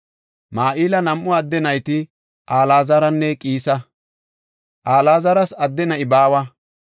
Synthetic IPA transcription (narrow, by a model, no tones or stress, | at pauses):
maːʔiːlɐnɐmʔʊɐd̪ːɛnɐjt̪ɪ | ʔaːlaːzɐɾɐnːɛkʼiːsɐ | ʔaːlaːzɐɾɐsɐd̪ːɛnɐɪbaːwɐ